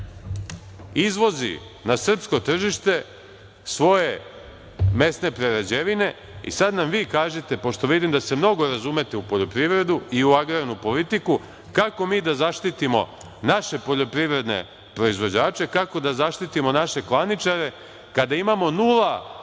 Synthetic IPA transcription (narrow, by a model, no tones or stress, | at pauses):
izʋo̞zḭ | nasr̩psko̞t̪r̩ʒiʃt̪e̞ | sʋo̞je̞ | me̞sne̞pɾeɾad͡ʑeʋine̞ | ḭsad̪namʋiːkaːʒet̪e̞po̞ʃt̪o̞ʋid̪imd̪ase̞mno̞ɡo̞ɾazume̞t̪eupo̞ʎo̞pɾiʋɾe̞d̪uiuaɡɾanupo̞lit̪iku | kako̞miːd̪azaʃt̪it̪imo̞̰ | naʃe̞po̞ʎo̞pɾiʋɾe̞d̪ne̞̰ | pɾo̞izʋo̞d͡ʑaːt͡ʃe̞kako̞d̪azaʃt̪it̪imo̞naʃe̞klˠanit͡ʃaɾe̞ | kad̪aimamo̞nulˠa